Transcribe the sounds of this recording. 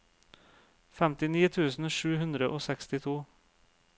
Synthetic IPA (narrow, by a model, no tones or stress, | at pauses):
fɛmt̪ɪniːt̪ʰʉːsn̩oʃʉːhʉnd̪ɾəʔoːsɛkst̪ɪt̪ʰuː